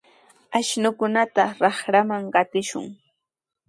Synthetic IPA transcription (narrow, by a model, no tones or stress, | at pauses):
aʃnʊkʊnat̪aɾɑχɾamaŋɢɑt̪ɪʃʊ̰ŋ